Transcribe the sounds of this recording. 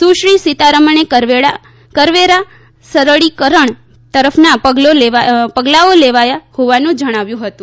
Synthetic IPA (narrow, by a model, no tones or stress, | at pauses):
suʃɾisit̪aɾəməneəʋea | kəɾʋeɾa | səɾəɭikəɾəɳ | t̪əɾəfʰnapəɡloleapəɡlaoleʋajahoʋanũd͡ʒəɽ̃aʋjũɦət̪ũ